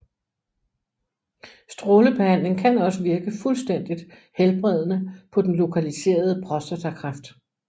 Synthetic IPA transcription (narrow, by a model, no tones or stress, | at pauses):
sd̥ʁoːləb̥ehæn̰le̝ŋkʰænɒ̽səʋiɐɡ̥əfulsd̥en̰d̥id̥ | helb̥ʁɛð̞̰ˠnəpʰɒ̽d̥enlo̝kʰælise̝̰ːɐð̞ˠəpʰʁɒ̽sd̥ɐt͡sʰækʰʁɑ̈fd̥